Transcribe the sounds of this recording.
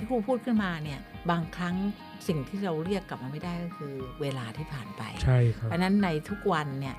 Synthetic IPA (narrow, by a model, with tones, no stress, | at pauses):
aː˥˩kʰuː˧pʰuː˥˩t̪̚kʰɯ˥˩nmaː˧ni˥˩ɐbaː˧ŋkʰɾa˦˥ŋ | si˨˩ŋt̪ʰiː˥˩ɾa˧wɾi˥˩əkːa˨˩p̚maː˧ma˥˩jdaː˥˩jkɔː˥˩kʰɯː˧weː˧laː˧t̪ʰiː˥˩pʰaː˨˩npa̰˧jt͡ɕʰa˥˩jkʰa˦a˧˥na˦˥nːa˧jt̪ʰu˦˥k̚wa˧nːi˥˩ɐ